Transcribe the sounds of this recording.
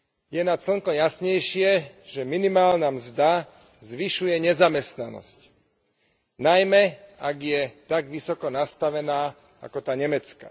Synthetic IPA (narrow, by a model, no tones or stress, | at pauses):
jɛnat̪sl̩ŋkɔmjasɲɛjʃɪɛʒɛminimaːlnamzd̪a | zʋiʃujɛɲɛzamɛst̪nanɔ̰sc | najmɛaɡjɛt̪aɡʋisɔkɔnast̪aʋɛnaː | a̰kɔt̪aːɲɛmɛt͡ska̰